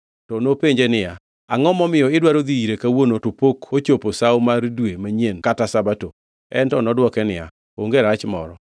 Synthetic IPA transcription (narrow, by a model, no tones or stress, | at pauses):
tɔnopeɲd͡ʒenɪja | aŋɔmɔmɪjɔɪdwaɾod̪iiɾekawonotopokot͡ʃoposawmaɾdwemaɲenkatasabato | ɛntɔnɔdwɔkɛnɪja̰ | oŋɡeɾat͡ʃmɔ̰ɾɔ